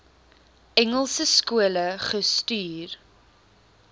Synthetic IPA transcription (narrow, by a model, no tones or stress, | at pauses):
ɛŋəlˠsəskuələχəstyːr